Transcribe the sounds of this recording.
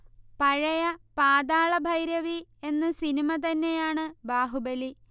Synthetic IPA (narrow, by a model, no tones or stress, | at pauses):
pɐɻɐjɐpaːd̪aːɭɐbʱɐjɾjɐʋie̞nːɨsinimɐt̪ɐnːejaːɳɨbaːɦubɐli